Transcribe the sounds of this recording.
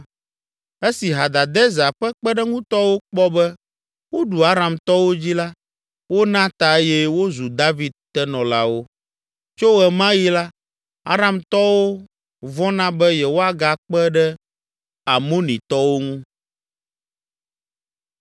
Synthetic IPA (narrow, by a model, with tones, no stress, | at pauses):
e˦si˨ɦa˨d̪a˨d̪ɛ˦za˨ɸɛ˦k͡pɛ˦ɖɛ˦ŋũ˦t̪ɔ˦wo˦k͡pɔ˦bɛ˦ | wo˦ɖu˨a˦ɾa˨mt̪ɔ˦wo˦d͡ʑi˦la˦ | wo˦nã˦t̪a˨e˦jɛ˦wo˦zu˨d̪a˦vi˨d̪̚t̪ɛ˦nɔ̃˨la˦wo˦ | t͡ʃo˦ɛ˨mã˦ji˦la˦ | a̰˦ɾã˨mt̪ɔ˦wo˦ | vɔ̃˦nã˦bɛ˦jɛ˨wo˦a˨ɡa˨k͡pɛ˦ɖɛ˦ | a˨mo˦nĩ˨t̪ɔ˦wo˦ŋũ˦